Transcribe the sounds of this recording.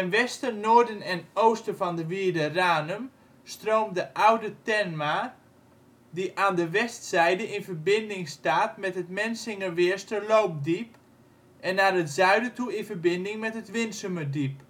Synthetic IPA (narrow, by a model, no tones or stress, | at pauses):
ənʋɛstənoːɹdənɛnoːstəfɔndəʋiədəraːnəm | stroːmdəʔawdətɛnma | diʔaːndəʋɛstsɛjdəʔɪnfərbɪndɪŋstaːtmɛtɦətmɛnsɪŋəʋɪəɹstəlowp̚dip | ʔɛnːarətz̥œɥdətuɪnfərbɪndɪŋmɛtɦətʋɪnsəmədip